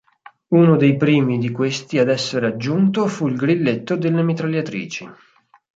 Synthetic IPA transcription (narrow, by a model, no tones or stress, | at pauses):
unod̪ejpɾiːmid̪ikwest̪iad̪ɛsːeɾead͡ʒːunt̪ofuilɡɾilːet̪ːod̪elːemet̪ɾaljat̪ɾḭːt͡ʃi